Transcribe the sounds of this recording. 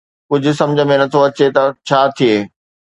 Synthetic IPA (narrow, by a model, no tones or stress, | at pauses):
kʊd͡ʑʱʊ̆sɐ̃md͡ʑʱəmẽnɐt̪ʰoɐt͡ɕet̪ɐt͡ɕʰaːt̪ʰieː